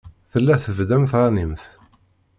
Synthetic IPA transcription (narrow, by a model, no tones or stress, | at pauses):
θəlːæθəvd̪æmθˤanimθ